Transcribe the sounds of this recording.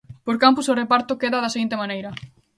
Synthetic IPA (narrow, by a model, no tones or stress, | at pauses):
poɾkampʊsorepaɾt̪okeðɐðɐseɣint̪emãnejɾɐ